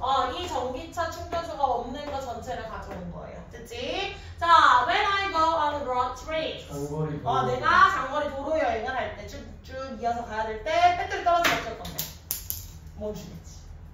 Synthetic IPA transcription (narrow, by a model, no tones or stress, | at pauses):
ʌit͡ɕʌŋɡit͡ɕʰat͡ɕʰuŋbjod͡ʑʰuɡaʌmnɯnɡʌt͡ɕʌnt͡ɕʰeɾɯɭkad͡ʑʌnɯnɡʌ̰ḛjo̰tʰɯk̚t͡ɕ͈ʰi | t͡ɕawenajɡoʔʌnɾʌtʰɾi | ʌneɡat͡ɕaŋɡʌɾitoɾoɦejʌiɡɯnɦaɭt͈e̞t͡ɕʰuɡuk̚t͡ɕ͈uniasʰʌkajadeɭt͈ep͈et͈ʰɯɭt͈ʌɾʌsʰmakʰjʌɭ̚k͈ʌnde | moɕʰiɡet͡ɕii̥